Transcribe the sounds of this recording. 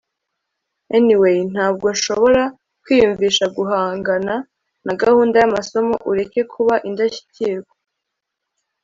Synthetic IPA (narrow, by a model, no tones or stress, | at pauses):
eniwejn̥haːb̚ɡo̞nʃoβo̞ɾa | kwiːjuɱviːʃaɡuɦaːŋɡana | naɡahuːndajamaso̞mo̞̰ʔuɾe̞ke̞kʰuβaʔindaçi̥ciɾɡo